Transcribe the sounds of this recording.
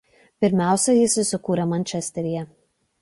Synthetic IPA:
pʲɪɾʲmʲæˑʊsʲɛjɪsʲʊsʲʊkuːɾʲɛmɐnʲt͡ʃʲɛsʲt̪ʲɛɾʲɪjɛ

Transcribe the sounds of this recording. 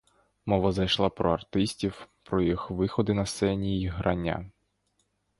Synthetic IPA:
mɔʋɐzɐjʃlˠɑpɾɔɐrt̪ɪsʲtʲiwpɾɔjixʋɪxɔd̪ɪnɐssɛnʲiiɦɾʔɐnʲːa̰

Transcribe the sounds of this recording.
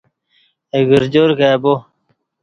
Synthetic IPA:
eɡəɾd͡ʑoɾkabo

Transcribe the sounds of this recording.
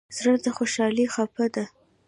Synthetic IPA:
zɾad̪axoʃɑlixapad̪a

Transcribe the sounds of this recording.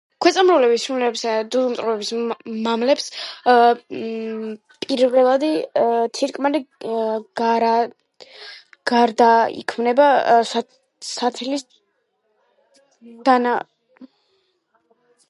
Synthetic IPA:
kʰwɛt̪sʼamɾulɛbisumlɛbsd̪ud̪umt̪ʼɾuvɛbismamlɛps | pʼiɾvɛlˠad̪it̪ʰiɾkʼmali | ɡ̥aɾa | ɡ̥aɾd̪aḭkʰmnɛba | sat̪ʰlis | d̪̥ana

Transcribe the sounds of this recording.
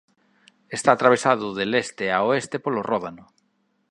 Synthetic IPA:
est̪aːt̪ɾaβ̞esaðʊðelest̪eaoest̪epolorʔɔðanʊ

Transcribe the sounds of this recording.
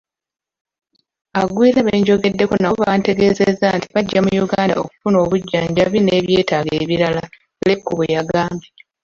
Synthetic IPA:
aɡwiːɾaβeɲɟo̞ɡe̞dːe̞konaβante̞ɡe̞ːzezantiβaɟːamujuɡaːnda̰oku̥funo̞ːβuɟːaːɲɟaβine̞βje̞ːtaːɡeːβiɾala | lekːuβejaɡaːmbe

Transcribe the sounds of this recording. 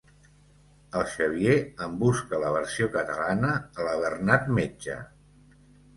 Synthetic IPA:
əlˠʃəβ̞jeəmbuskələβ̞ərsiokət̪əlanəːləβ̞ərnat̪med͡ʒə̰

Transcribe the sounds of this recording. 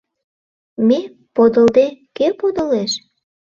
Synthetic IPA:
me | pod̪əld̪ekepod̪əleʃ

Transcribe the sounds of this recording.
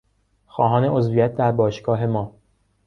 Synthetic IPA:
xɒːɦɒːne̞ozvijæt̪̚ʰd̪æɾbɒːʃɡɒːɦe̞mɒː

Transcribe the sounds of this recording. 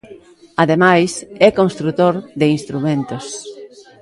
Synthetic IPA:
aðemajsɛkõnst̪ɾut̪oɾðɪinst̪ɾumẽnt̪os

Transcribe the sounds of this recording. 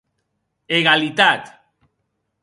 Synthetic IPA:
eɣalit̪at̪

